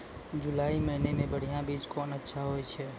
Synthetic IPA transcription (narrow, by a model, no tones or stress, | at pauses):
d͡ʒulaːiməɦinemẽbəɽ̤ijãbit͡ʃkɔnətːʃʰaɦojt͡ʃʰɛ